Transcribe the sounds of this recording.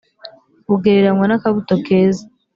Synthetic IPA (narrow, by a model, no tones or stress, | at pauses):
βuɡeɾeɾaŋwanakaβutokeːza